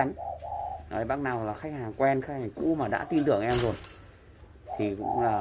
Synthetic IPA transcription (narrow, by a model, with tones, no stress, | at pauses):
a˨˦ŋnɔ˨˦jɓaː˦˥k̚naː˨˩wlaː˨˩xa˦˥k̟̚haː˨˩ŋkwɛ˧nxa˦˥k̚haː˨˩ŋkṵ˧˥maː˨˩ɗa̰ː˧˥t̪i˧nt̪ɨ˨˩əŋʔɛ˧mzo˨˩j | t̪ʰi˨˩kʊ̰˧˥ŋ͡mlaː˨˩